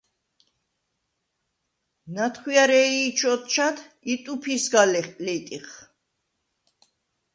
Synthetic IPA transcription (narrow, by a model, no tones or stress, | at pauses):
nat̪ʰχwiaɾɛiːt͡ʃʰɔt̪̚t͡ʃʰat̪ʰit̪ʼupʰisɡalɛχʼlɛt̪ʼiχ